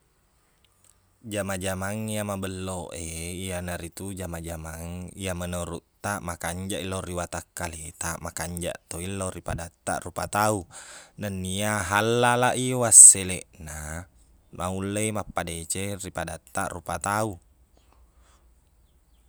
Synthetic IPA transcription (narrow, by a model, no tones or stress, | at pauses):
d͡ʒamad͡ʒamaŋijamabəlːoʔeianaɾit̪ud͡ʒamad͡ʒamaŋijamənoɾuʔt̪aʔmakaɲd͡ʒaʔilːoriwat̪akːalet̪amakaɲd͡ʒa̰ʔt̪oilːoripadat̪ːa̰ʔrupat̪aunanːiaɦalːalaʔiwasːeleʔna | maulːejmapːadet͡ʃeripadat̪ːa̰ʔrupat̪au